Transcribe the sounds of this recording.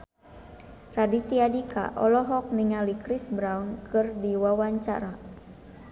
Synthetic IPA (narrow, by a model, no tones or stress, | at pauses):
radit̪iadika̰ʔɔlɔɦɔk̚niŋalikɾisbɾawnkɨrdiwawaɲt͡ʃa̰ɾa